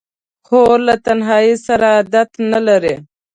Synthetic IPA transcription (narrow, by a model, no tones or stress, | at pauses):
xoɾlat̪anɦɑisaɾaːd̪at̪nalaɾe